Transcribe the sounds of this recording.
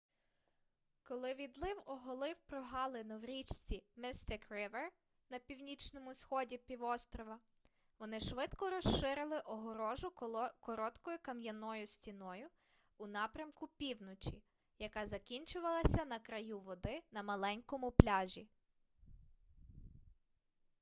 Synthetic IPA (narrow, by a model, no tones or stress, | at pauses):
kɔlˠɪʋʲid̪lˠɪwɔɦɔlˠɪwpɾɔɦɑlˠɪnɔwɾʲit͡ʃʲst͡sʲimɪst̪ɪkrɪʋer | nɐpʲiwnʲit͡ʃnɔmʊsxɔdʲipʲiʋɔst̪ɾɔʋɐ | ʋɔnɪʃʋɪt̪kɔɾɔʃʃɪɾɪlˠɪʔɔɦɔɾɔʒʊkɔɾɔt̪kɔjʊkɐmjɐnɔjʊsʲtʲinɔjʊː | nɑpɾʲɐmkʊpʲiwnɔt͡ʃʲi | jɐkɑzɐkʲinʲt͡ʃʊʋɐlˠɐsʲɐnɐkɾɐjuʋɔd̪ɪnɐmɐlˠɛnʲkɔmʊplʲɑʒʲi